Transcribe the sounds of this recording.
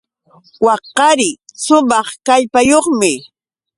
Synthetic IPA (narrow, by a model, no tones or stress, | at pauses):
wɑqːɑɾɪsʊmɑχkaʎpajoχmɪ